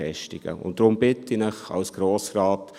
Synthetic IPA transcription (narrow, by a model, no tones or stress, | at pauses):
ɛʃtɪɡ̥ə̰ʊ̰nt̚dɾʊmbɪtinəχɑ̰wsɡ̥ɾoːsrɑːt